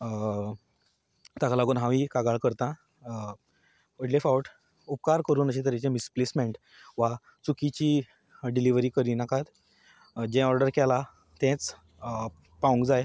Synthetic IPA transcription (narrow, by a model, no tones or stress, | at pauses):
t̪akalaɡuːnɦãʋikaɡaɭkəɾt̪ã | əʈlefauʈ | up̚kaɾkəɾuːnəɕet̪əɾjat͡ɕẽmisplesmeɳʈ | ʋa | t͡sukit͡ɕiː | ɖiliʋɾiːkəɾiːnakʰat̪ | d͡ʑɛ̃ɔɾɖəɾkɛla | t̪ɛ̃t͡s | paũŋkd͡zaj